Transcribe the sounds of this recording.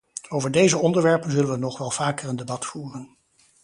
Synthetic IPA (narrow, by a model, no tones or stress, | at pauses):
owvəɹdejzəɔndəɹʋɛɹpənzɵlənʋənɔχʋɛlˠv̥aːkəɹəndebɑtfuːrən